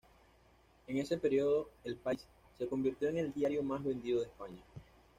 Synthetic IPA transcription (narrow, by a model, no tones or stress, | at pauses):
e̞ŋe̞se̞pe̞ɾio̞ðo̞e̞lpaisː | e̞ko̞mbiɾt̪jo̞eŋe̞ld̪jaɾjo̞mazβe̞nd̪iðo̞ðespaɲa